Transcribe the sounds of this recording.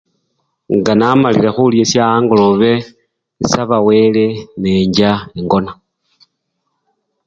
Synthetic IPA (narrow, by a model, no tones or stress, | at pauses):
ŋɡanamalilexuljesjaːŋɡoloβe̞ | saβawe̞le̞neːɲɟaeŋɡo̞na